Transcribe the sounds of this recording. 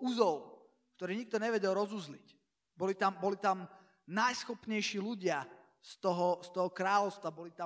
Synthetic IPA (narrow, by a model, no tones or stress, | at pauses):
uzɔʊ | kt̪ɔɾiːɲik̚t̪ɔɲɛʋɛɟɛlɾɔzuzlic | bɔlit̪ambɔlit̪am | najsxɔpɲɛjʃiːluɟɪa | st̪ɔɦɔst̪ɔɦɔkɾaːlɔʊst̪ʋabɔlit̪a